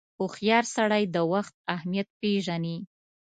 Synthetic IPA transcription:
ʊxjɑɾsaɽajd̪əwaxt̪̚ahmijat̪̚peʒani

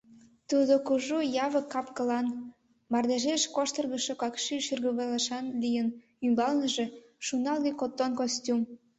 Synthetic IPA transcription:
t̪ud̪okuʒujɑβəkːɑpkəlɑn | mɑrd̪eʒeʃkoʃt̪ərɣəʃokɑkʃiʃyrɣəβelɑʃɑnlijən | ymbɑlnəʒe̽ | ʃunɑlɣekot̪ːonkostʲum

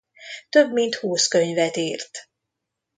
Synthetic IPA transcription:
t̪ø̞bmint̪huːskø̞ɲvɛt̪iːrt̪

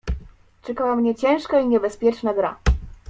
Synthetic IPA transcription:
t͡ʂɛkawamɲɛt͡ɕɛ̃w̃ʂkaiɲɛbɛspʲjɛt͡ʂnaɡ̪ɾa̰

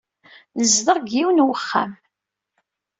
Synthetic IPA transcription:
nəzðəʁɡiwənwəχːa̰m

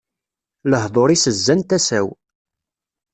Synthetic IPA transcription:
ləhðˤoɾˤisəzːænt̪æsæw

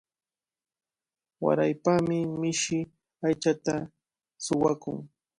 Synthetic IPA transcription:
wa̰ɾajpamɪmɪʃɪ | ajt͡ʃat̪a | sʊwakʊ̰ŋ

